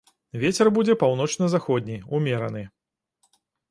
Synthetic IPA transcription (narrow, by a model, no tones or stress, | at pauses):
vʲet͡sʲɛrbud͡zʲɛpawnɔt͡ʂnɐzaxɔd̪ʲnʲijumʲɛɾɐ̰nɨ